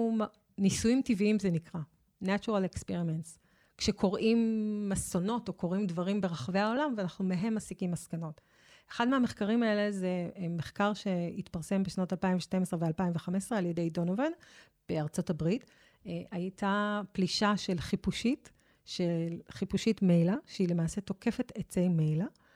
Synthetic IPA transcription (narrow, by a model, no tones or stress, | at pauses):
nisujimtiviimzenikʁa | nat͡ʃuʁalekspiʁimens | kʃeko̞ʁʔimːaso̞no̞to̞ko̞ʁimdvaʁimbe̞ʁaχave̞ao̞lamveanaχnume̞ɦe̞mːasikimːaskano̞t | eχadmeɦameχkaʁimaele̞zemeχkaʁʃe̞itpaʁse̞mbeʃnotalpaimveʃte̞mesʁevealpaimveχame̞sʁealje̞de̞jdo̞noven | b̥e̞aʁt͡so̞tabʁit | ajtapliʃaʃe̞lχipuʃit | ʃelχipuʃitmejlaʃeile̞maːse̞to̞ke̞fe̞tet͡sejmejla